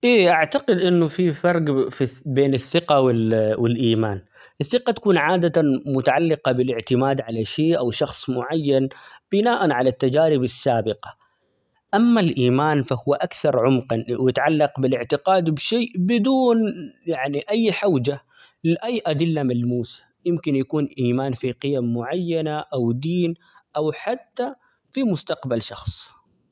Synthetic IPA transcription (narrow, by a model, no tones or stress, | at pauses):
ʔeːʔaʕt̪aqɪd̪ʔɪnːʊfifɑɾˤɡfibeːnɪθːɪqawɪlwɪlʔiːmaːn | ʔɪθːɪqɑt̪ḁkuːnʕaːd̪at̪amʊt̪aʕalːɪqɑbɪlɪʕt̪ɪmaːd̪ʕalaʃeːʔawʃɑxsˤmʊʕajːanb̥ɪnaːʔanʕalat̪ːad͡ʒaːɾɪbasːaːbɪqɑ̥ | ʔamːalʔiːmaːnfahʊwːaʔakθɑɾˤʕʊmqɑnwjɪt̪ʕalːɑqbɪlɪʕt̪ɪqɑːd̪bʃeːʔbɪd̪uːnjaʕniʔajːħawd͡ʒa | lɪʔajːʔad̪ɪlːamalmuːsḁjɪmkɪnjakuːnʔiːmaːnfiqɪjamːʊʕajːanaʔawd̪iːn | ʔawħat̪ːa | fimʊst̪ɑqbalʃɑxsˤ